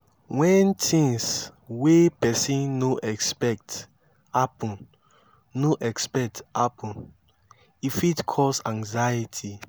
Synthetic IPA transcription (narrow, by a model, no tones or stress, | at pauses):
wɛ̃ntʰĩŋswepɛsĩnnoʔɛkspɛk̚t | hapɔ̃n | noʔɛkspɛk̚thapʰɔ̃n | ifitkʰɔsãŋzajitʰi